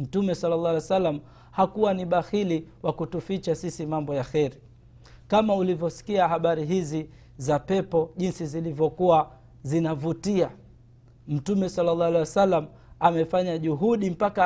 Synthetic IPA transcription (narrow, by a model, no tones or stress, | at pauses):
m̩tumɛsalːalːɑalɛwasalːam̩ | hakuwaniɓaxiliwakutufit͡ʃasisimambɔjaxɛɾi | kamaulivjɔsi̥kiaɦaɓaɾiɦizi | zapɛpɔʄinsizilivjɔkuwa | zinavutia | m̩tumɛsalːalːɑalɛwasalːam | amɛfaɲaʄuɦuɗim̩paka